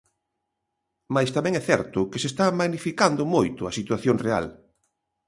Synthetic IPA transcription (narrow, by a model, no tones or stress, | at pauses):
majst̪amɛ̃ŋɛθɛɾt̪ʊkesest̪amaɣnifikand̪ʊmojt̪ʊasit̪waθjoŋrea̰l